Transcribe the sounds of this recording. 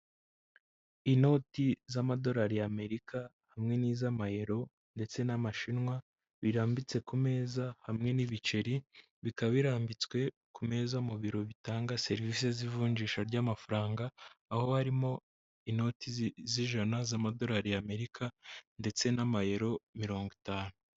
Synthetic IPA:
ino̞ːtizamado̞ɾaɾijame̞ɾikahamŋe̞niːzamaje̞ɾo̞ | nde̞t͡se̞namaʃinwa | βiɾaːmbit͡se̞kume̞ːzahamŋe̞niβit͡ʃe̞ɾi | βikaβiɾaːmbit͡swe̞ | kume̞ːzamuβiɾo̞βitaːŋɡase̞ɾvisezivuːɲɟiːʃaɾɟaːmafaɾaːŋɡaːho̞haɾimo̞ | ino̞tiziʒanazamado̞ɾaɾijame̞ɾikʰande̞t͡se̞namaje̞ɾo̞miɾo̞ːŋɡitaːnu

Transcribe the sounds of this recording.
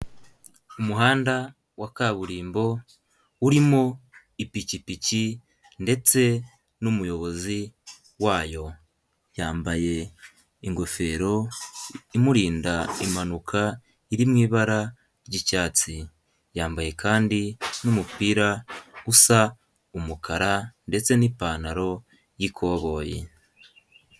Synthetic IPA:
umuɦaːnda | wakaβuɾiːmbo̞ | uɾimo̞ | ipicipici | nde̞t͡se̞ | numujo̞βo̞zi | waːjo̞ | jaːmbaje̞ | iŋɡo̞fe̞ːɾo̞ | imuɾiːndaimanukʰa | iɾimŋiːβaɾa | ɾɟicaːt͡si | jaːmbaje̞kʰaːndinumupiːɾaɡusa | umukaɾande̞t͡se̞nipaːnaɾo̞ | jikʰo̞ːβo̞ːjḛ

